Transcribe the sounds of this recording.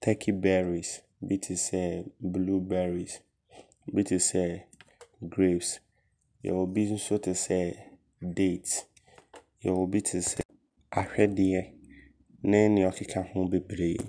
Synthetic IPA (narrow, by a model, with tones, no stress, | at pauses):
t̪ʰɛ˦kʰi˦bɛ˦ɾi˨s | bi˦tʰɪ˨sɛ˦blu˦bɛ˦ɾi˨s | bi˦tʰɪ˨sɛ˦ | ɡɾe˦˨bs | jɛ̰˨wo˨bi˦n̩˦sʊ˦tʰɪ˨sɛ˦ | de˦˨t | jɛ̰˨wo˨bi˦tʰɪ˨sɛ˦ | a˨ɕᶣɛ˦dɪ˦ɛ˦ | nɪ̃˦nɪ̃˨ɔ˨kʰɪ˦kʰa˦hʊ̃˦be˨bɾe˦jḛ˨